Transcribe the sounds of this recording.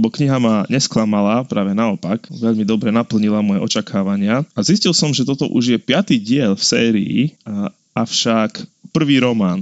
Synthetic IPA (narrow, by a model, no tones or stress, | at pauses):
bɔkɲiɦamaɲɛsklamalapɾaːʋɛnaɔpakʋɛʎmid̪ɔbɾɛnapl̩ɲilamɔjɛ̰ʔɔt͡ʃakʰaːʋaɲɪaaziscilˠsɔmʒɛt̪ɔt̪ɔ̰ʔuʒjɛpɪat̪iːɟɪɛʎfsɛːɾḭḭ | ʔafʃakpr̩ʋiːɾɔmaːn